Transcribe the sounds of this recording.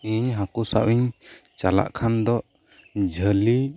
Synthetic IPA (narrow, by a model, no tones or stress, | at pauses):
iɲɦakusa̰ʔwiɲt͡ʃala̰ʔkʰand̪ɔʔ | d͡ʒʱəli